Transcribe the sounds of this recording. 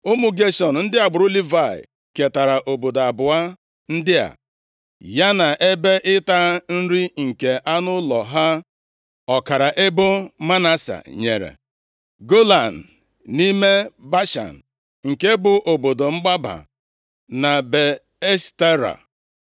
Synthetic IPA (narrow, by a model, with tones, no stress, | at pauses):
ʊ˦mu˨ɡe˦ʃɔ˨n̩˨n̩˦dɪ˦a˨ɡ͡bʊ˨ɾu˦li˦va˦˨ḭ˨ | ke˨ta˨ɾa˨ʔo˨bo˨da˨bʊ˨a˦ | n̩˦dɪ˦a̰˨ | ja˦na˨ʔe˦be˦ʔɪ˦ta˦n̩˦ɾi˦ŋ̩˨ke˨ʔa˦nʊ˦lɔ˨ɦa˦ | ɔ˨ka˨ɾa˨ʔe˦bʊ˦ma˦na˦sa̰˨ɲḛ˨ɾḛ˨ | ɡo˦la˨n̩˨ | ni˦me˦ba˦ʃa̰˨n˨ | ŋ̩˨ke˦bʊ˨ʔo˨bo˨do˨ŋ͡m̩˦ɡ͡ba˦ba̰˨ | na˨be˨ | e˦ste˦ɾa̰˨